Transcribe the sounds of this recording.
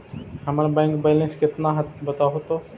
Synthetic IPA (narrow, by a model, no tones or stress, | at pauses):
həmənbɛ̃ːŋkbeːlẽnskɪt̪nãɦət̪bət̪aɦot̪oː